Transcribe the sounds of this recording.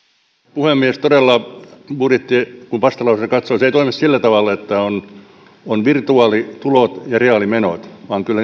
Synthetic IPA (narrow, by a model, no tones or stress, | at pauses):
puhemːiest̪odelːɑpurit̪ːikumpɑst̪ɑlɑusesekɑt̪soːseˑit̪oimissilːæt̪ɑʋɑˑlːeet̪ːæon | onʋirt̪uɑːlit̪ulot̪jɑreɑlimenot̪ʋɑːŋkylːæ